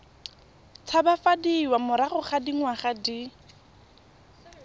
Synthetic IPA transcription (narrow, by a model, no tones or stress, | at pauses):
t͡sʰabafadiːwamʊɾaχʊχadiŋwaχadi